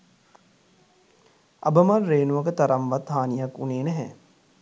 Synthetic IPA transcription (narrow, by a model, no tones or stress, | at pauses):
ɐ̰bəmɐrːeːnuʋɐkət̪ɐɾɐmʋat̪haːnijɐkuneːnɛɦɛ̰